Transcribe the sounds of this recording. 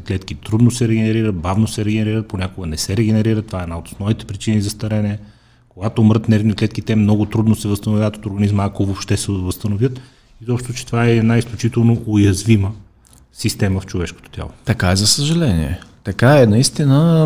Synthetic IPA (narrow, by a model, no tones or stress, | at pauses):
klɛt̪kit̪ɾud̪nosɛɾɛɡɛnɛɾiɾət̪̚bavnosɛɾɛɡɛnɛɾiɾət̪̚ponʲakoɡənɛsɛɾɛɡɛnɛɾiɾət̪ːovaɛd̪aot̪o̥snˠɔvit̪ɛ̥pɾit͡ʃinizɐst̪ɐɾɛnɛ | koɡat̪oːmɾət̪nɛɾvniklɛt̪kit̪ɛmnɔɡʊt̪ɾud̪nosɛvɐst̪ɐnovjaət̪ot̪oɾɡɐnizməakovopʃt̪ɛsɛvɐst̪ɐnovʲjət̪ | izɔpʃt̪ot͡ʃɛ̥t̪ovaɛːd̪naisklʲut͡ʃit̪ɛlˠnoʔojɐzvimə | sist̪ɛməft͡ʃovɛʃko̥t̪o̥t̪ʲja̰lˠot̪ɐkaɛzɐsəʒɐlɛnḭɛ̰t̪ɐkaɛnɐist̪inə